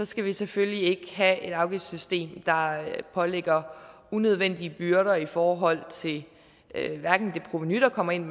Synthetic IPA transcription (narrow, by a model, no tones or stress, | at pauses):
sɒ̽sɡ̥æʋiseføljie̝ɡ̥əɦæe̝d̥ɑ̈ʊɡ̥e̥sysd̥e̝̰ːmd̥ɑ̈pʰɒ̽leɡ̥ɐ | unøð̞ˠʋen̰d̥iəb̥yɐɾɐifɒːɦɒ̽l̰t͡sʰe̝l | ʋæɐɡ̥n̩d̥e̝pʰʁo̝ʋenyd̥ɐkʰɒ̽m̰ɐe̝n̰